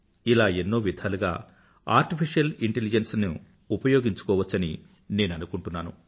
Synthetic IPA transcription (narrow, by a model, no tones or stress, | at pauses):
ilaːenːo̞ːʋid̪ʱaːluɡa̰ː | a̰ːɾʈipʰiʂjɐliɳʈelid͡ʒensni | upɐjo̞ːɡiɲt͡ʃu̥kɔːʋɐt͡ʃːɐni | ne̞ːnɐnukuɳʈunːaːnṵ